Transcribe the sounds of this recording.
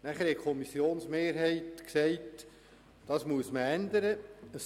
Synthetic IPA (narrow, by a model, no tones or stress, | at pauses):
næχəɾhɛtkʰɔmisːjoːnsmeːɾɦɛɪtksɛɪt | d̥ɑːsmuəsməænd̪əɾəəs